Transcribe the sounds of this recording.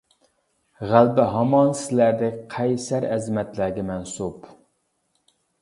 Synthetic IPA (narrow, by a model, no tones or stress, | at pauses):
ʁælbɪɦɑmɑnsɪlæɾd̪ɪqʰɛjsæɾɛzmɛt̪læɾɡʲɛmɛnsup